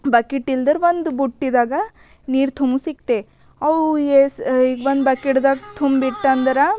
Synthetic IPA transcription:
bɐkiʈːild̪ɐɾʋond̪buʈːid̪aːɡɐ | niːɾt̪ʰumusikt̪e | ɐʋesiʋond̪bɐkiʈd̪aːɡt̪ʰumbiʈːaːnd̪ɐɾa

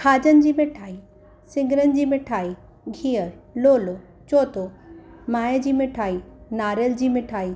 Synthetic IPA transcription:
kʰaːd͡ʑənɪ̆d͡ʑiːmɪʈʰaːi | sɪ̃ŋɡɪɾənɪ̆d͡ʑiːmɪʈʰaːi | ɡʱiːəɾloːlo | t͡ɕoːt̪omaːjəd͡ʑiːmɪʈʰaːinaːɾjəld͡ʑiːmɪʈʰaːiː

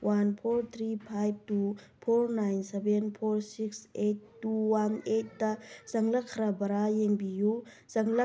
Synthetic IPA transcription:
wʔanpʰoɾt̪ʰɾipʰajb̚tupʰoɾnajnsebenpʰoɾsiksetːuwanet̚dɐz̥ɐŋlɐkʰːɾabɐɾajeŋbiju | zɐŋlɐ

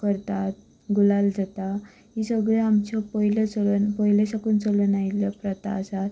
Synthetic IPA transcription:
kəɾt̪at̪̚ | ɡulald͡zat̪a | ɦisəɡɭeamt͡ɕɔpəɦilət͡səlnpəɦilesakuːnt͡səlunajljapɾət̪a̰ːsat̪

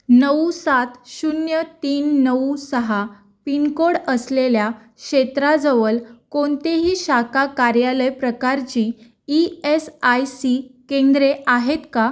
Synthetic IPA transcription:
nəʋsat̪ɕunjət̪iːnːəsəɦa | pinkoɽəslelja | kɕet̪ɾad͡zəʋəlkoɳt̪eɦiːɕakakaɾjaləjpɾəkaɾt͡ɕiː | iesajsikẽnd̪ɾeʔaɦet̪ka

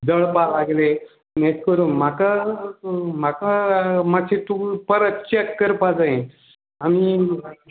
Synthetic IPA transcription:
d͡zəɭpalaɡle | meskəɾuːnm̤aka | m̤akamasʰet̪upəɾət̪̚t͡ɕekːəɾpad͡zaɦẽ | ami

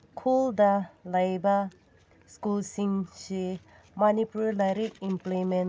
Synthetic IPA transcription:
kʰuldɐlɐjbɐ | skulsiŋsi | manipullaɾikimplɔjmen

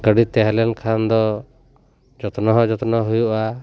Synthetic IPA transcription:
kəɖit̪ɛɦɛlɛnkʰand̪ɔ | d͡ʒɔt̪ɔnɔɦɔ̃d͡ʒɔt̪ɔnɔɦujuʔa

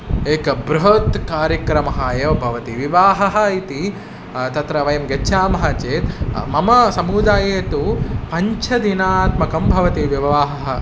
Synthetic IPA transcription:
eːkɐbɾuɦɐt̪kaːɾjɐkɾɐmɐɦaːjɐʋbʱɐʋɐt̪iʋiʋaːɦɐɦɐ̆it̪i | t̪ɐt̪ɾɐʋɐjɐmɡɐt͡ʃʰaːmɐɦaːt͡ʃeːt̪mɐmɐsɐmuːd̪aːjeːt̪upɐɲt͡ʃʰɐd̪inaːt̪mɐkɐmbʱɐʋɐt̪iʋiʋaːɦɐɦɐ

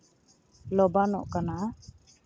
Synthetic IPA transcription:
lɔbanɔ̰ʔkana

